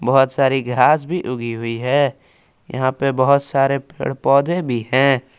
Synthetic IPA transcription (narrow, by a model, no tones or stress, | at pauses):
bəɦʊt̪saːɾiɡʱaːsbʱiʔʊɡiɦʊiɦɛː | jə̰ɦãpebəɦʊt̪saːɾepḛːɽpɔːd̪ʱẽbʱiɦɛ̃ː